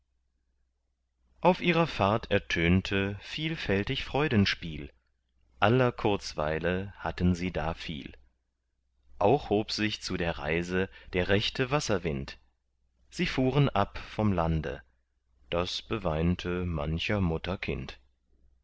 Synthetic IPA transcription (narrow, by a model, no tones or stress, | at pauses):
ʔaʊfʔiːʁɐfaɐtʰɛɐtʰøːntʰəfiːlfɛltɪçfʁ̥ɔʏdənʃpiːl | ʔalɐkʰʊɐt͡sv̥a̰ɪləhatənziːda̰ːfḭːl | ʔaʊχhoːpz̥ɪçt͡sudeːɐʁa̰ɪzəd̥eːɐʁɛçtʰəvasɐvɪnt | z̥iːfuːʁənʔapfɔmlandə̰ | d̥asb̥əvaɪntʰəma̰nçɐmʊtɐkʰɪ̰nt